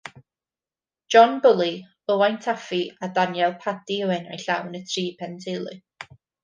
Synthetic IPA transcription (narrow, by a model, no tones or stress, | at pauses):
d͡ʒ̥ɔnbʊlˠi | əwajntʰafiadanjɛlˠpʰadiəwɛna̰jɬawnətʰriːpʰɛntʰelˠɨ̰